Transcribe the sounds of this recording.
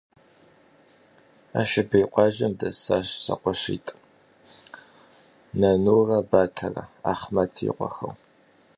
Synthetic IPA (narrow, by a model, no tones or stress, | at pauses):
a̰ːʃɪbɐjqʷʼɑʒɐmdɐsaːɕsɐ̰qʷɔɕḭːtʼ | nɐnuːrɐbaːtʰɐrɐ̰a̰ːχmɐtʰḭːqʷɔxɐ̰w